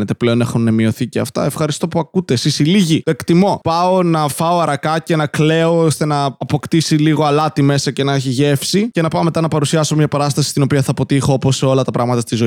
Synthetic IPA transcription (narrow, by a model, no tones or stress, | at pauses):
net̪e̞ple̞o̞nexunːemio̞θiceɐ̰ft̪ɐ̰efxɐɾist̪o̞puɐkut̪e̞sisiliʝit̪oe̞kt̪imo̞pɐo̞nɐfɐo̞ɐɾɐkɐce̞nɐkle̞oost̪enɐːpo̞kt̪isiliɣo̞ɐlɐt̪ime̞sɐce̞nɐeçiʝe̞fsice̞nɐpɐome̞t̪ɐnɐpɐɾusiɐso̞mɲɐpɐɾɐst̪ɐsi̥st̪ino̞piɐθɐpo̞t̪ixo̞opo̞seo̞lɐt̪ɐpɾɐɣmɐt̪ɐst̪izo̞